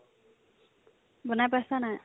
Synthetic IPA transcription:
bɔnapasana

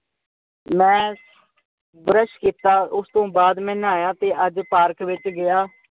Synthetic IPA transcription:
mɛ̃ː | bɾəʃkiːt̪aːʔʊst̪õːbaːd̪mɛ̃ːnaːjaːt̪eːʔəd͡ʒpaːɾkʋɪt͡ʃɡɪjaː

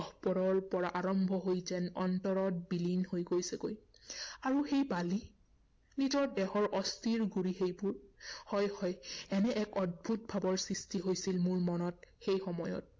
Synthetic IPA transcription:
ɔpɔɹɔɹpɔɹaʔaɹɔmbʱɔɦojzɛnɔntɔɹɔt̚bilinhojɡojsɛkoj | aɹuxejbali | nizɔɹdɛxɔɹʔɔstiɹɡuɹiɦejbuɹhɔjhɔjɛnɛʔɛkɔd̚bʱut̚bʱabɔɹsɹistiɦojsilmuɹmɔnɔt̚xejxɔmɔjɔ̰t̚

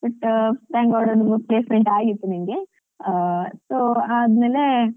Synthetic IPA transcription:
bɐʈt̪aːŋɡaʋɽod̪upleːsmeɳʈaːjit̪ːunimɡe | soːaːd̪meːle

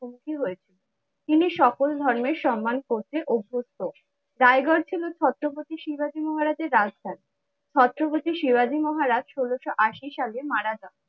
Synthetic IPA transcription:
omukʰiɦojet͡ɕʰilen | t̪iniʃɔkold̪ʱɔɾmeɾʃɔmːankot͡ɕʰeʔubʱːost̪o | ɾaejɡɔɾt͡ɕʰilot͡ɕʰɔt̪ːɾobot̪iʃibad͡ʑimɔɦaɾad͡ʑeɾːad͡ʑd̪ʱan | t͡ɕʰɔt̪ːɾopot̪iʃibad͡ʑimɔɦaɾad͡ʑʃoloʃoʔaʃiʃalemaɽad͡ʑa

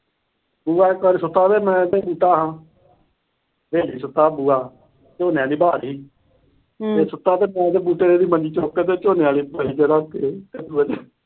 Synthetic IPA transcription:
buːaːkəɾsʊt̪ːaːt̪eːmɛ̃ːd̪eːbuːʈaːɦãː | beːliːsʊt̪ːaːbuːaː | t͡ʃoːneːaːliːbaːɾɦiː | eːsʊt̪ːaːt̪eːmɛ̃ːd̪eːbuːʈeːeːd̪iːmənd͡ʒiːt͡ʃoːkːeːt̪̬eːt͡ʃoːneaːliːbəiːt͡ʃeɾaːk̪eːt̪ed̪uːəd͡ʒe

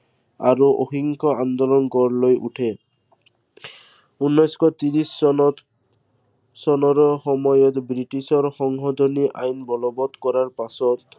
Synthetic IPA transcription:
a̰ɹuʔo̰xiŋkɔand̪ɔlɔnkɔɹlojʔṵʈʰɛ | unːɔjskʰɔt̪iɹis | sɔnɔɹxɔmɔjɔt̪bɹiʈisɔɹxɔŋɦɔd̪ʱoniʔa̰jnbɔlɔbɔt̪kɔɹaɹpasɔt̪

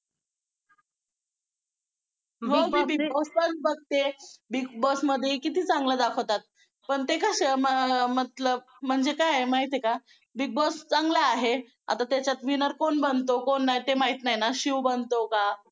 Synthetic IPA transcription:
ɦə̃bibibosbənbəɡ̚t̪ebik̚bosməd̪ʱjekit̪iːt͡sãŋɡlad̪akʰəʋt̪at̪̚ | pəɳt̪ekəɕəməmət̪ləb̚m̤əɳd͡zekajmaɦit̪eka | bik̚bost͡sãŋɡlaːɦe | a̰t̪at̪jat͡ɕjat̪ʋinəɾkonbənt̪okonːaɦjt̪emaɦit̪najnaɕiʋbənt̪oka

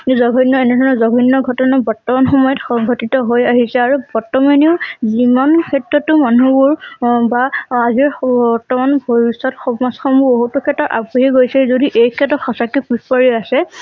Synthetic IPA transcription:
zɔɡʱɔnːɔɛnɛdʱɔɹnɔzɔɡʱɔnːɔɡʱɔtɔnabɔɹtːɔmanxɔmɔjɔtxɔŋɡʱɔtitɔɦojaɦisɛaɹubɔɹtːɔmaniʊzimankʰɛtɹɔtːʊmanubuɹbaːziɹɔɹtɔmanboɹisɔtxɔmasxɔmuboɦutɔkʰɛtɔʔa̰buɦɛɡojsɛzodiʔejkʰɛtɔtxɔsakipipɔɹiasɛ

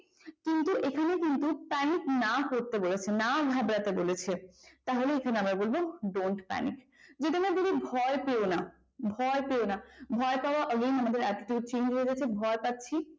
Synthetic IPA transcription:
kint̪uʔekʰanekint̪upaniknakoɾt̪ebolet͡ɕʰenaɡʱabɾat̪ebolet͡ɕʰet̪aɦoleekʰaneamɾaɾbolboɖoɳʈpɛ̰nḭk | d͡ʑet̪iamɾaɡ̪uɾibʱɔepeona | bʱɔepeonabʱɔepaoaʔɔɡenamad̪eɾaʈiʈjuɖ̚t͡ɕend͡ʑɦoed͡ʑatːt͡ɕʰebʱɔepat̪ːɕʰi

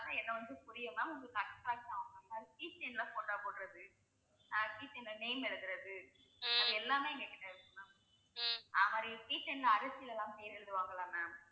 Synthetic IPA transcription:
t̪ɐɛðɐ̃ʋɐnd̪ɯpʊɾɪjɯnãːʊŋɡɯkɐksʈɾaːk̚ʈaʋɐŋɐaːɾpiːsɛnlɐpoːʈːaːpoːɽɪɾɐðɯ | naːpiːsɛnlɐneɪmɛɽɯðɪɾɐðɯ | ɐðɯɛlːaːmeːɛŋɡɐkɪʈːɐɪɾɯkːɯnːaː | ʔaːðɐmaːd̪ɾipiːsɛnɖlɐɐɾɐsɪjɪlɛlːãːmpejɾɪɻɯðɯʋaːŋɡɐɭãːnaː

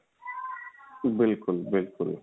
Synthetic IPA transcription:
bɪlkʊlbɪlkʊl

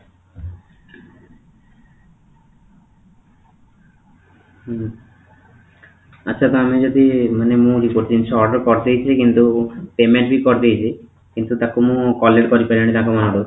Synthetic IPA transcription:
a̰tːʃʰat̪oamid͡ʒod̪imanemũɾikoɾt̪iinʃɔɖkɔɾt̪ejt͡ɕʰekint̪upemeɳʈ̚bikɔɾt̪ejt͡ɕʰe | kint̪ut̪akomũkɔlːeɖkɔɾipaɾɳɖinakɔmanɦɔɽo

